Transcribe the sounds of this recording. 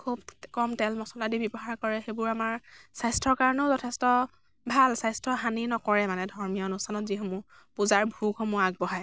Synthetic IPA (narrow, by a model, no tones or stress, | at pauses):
kʰubkɔmtɛlmɔsɔladibɔbɔɦaɹkɔɹɛxebʊɹamaɹsajstʰɹɔɹkaɹɔnɛʊzɔtʰɛstɔ | bʱalsajstʰɔɦaninɔkɔɹɛmanɛdʱɔɹmijɔnusanɔtzixɔmu | puzaɹbʱuxɔmuaɡ̚bɔɦaj